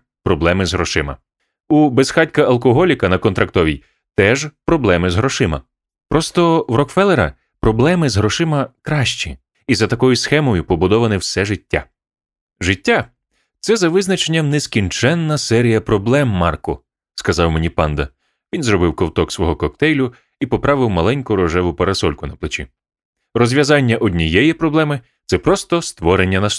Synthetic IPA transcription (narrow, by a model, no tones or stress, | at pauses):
pɾɔblˠɛmɪzɦɾɔʃɪmɐ̰ | ubesxɑtʲkɐɐlˠkɔɦɔlʲikɐnɐkɔnt̪ɾɐkt̪ɔʋʲij | t̪ɛʒpɾɔblˠɛmɪzɦɾɔʃɪmɐ | pɾɔst̪ɔwɾɔkfɛlˠeɾɐ̰ | pɾɔblˠɛmɪzɦɾɔʃɪmɐkɾɑʃt͡ʃʲi | izɐt̪ɐkɔjʊsxɛmɔjʊpɔbʊd̪ɔʋɐnɪwsɛʒɪtʲːa̰ | ʒɪtʲːa | t̪sɛzɐʋɪznɐt͡ʃenʲːɐmneskʲint͡ʃɛnːɐsɛɾʲijɐpɾɔblˠɛmːɑrkʊ | skɐzɑwmenʲipɑnd̪ɐ̰ | ʋʲinzɾɔbɪwkɔwt̪ɔksʋɔɦɔkɔk̚t̪ɛjlʲʊ | ipɔpɾɑʋɪwmɐlˠɛnʲkʊɾɔʒɛʋʊpɐɾɐsɔlʲkʊnɐplˠet͡ʃʲḭ | rɔzʲʋʲjɐzɑnʲːɐʔɔdʲnʲijɛjipɾɔblˠɛmɪ | t̪sɛpɾɔst̪ɔst̪ʋɔɾenʲːɐnɐs